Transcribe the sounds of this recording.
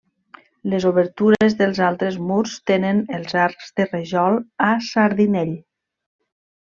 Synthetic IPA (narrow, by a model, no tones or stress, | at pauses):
lezoβəɾt̪uɾezðəlˠzalˠt̪ɾezmuɾst̪enənəlˠzaɾkzðəreʒɔlˠasaɾðinɛʎ